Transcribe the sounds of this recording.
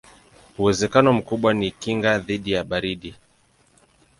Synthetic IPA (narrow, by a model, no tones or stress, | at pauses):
uwɛzɛkanɔm̩kuɓwanikiŋɡaðiɗijaɓaɾiɗi